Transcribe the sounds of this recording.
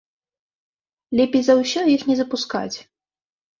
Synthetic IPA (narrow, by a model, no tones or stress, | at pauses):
lʲɛpʲejzɐwsʲɛjixnʲɛzɐpuska̰t͡sʲ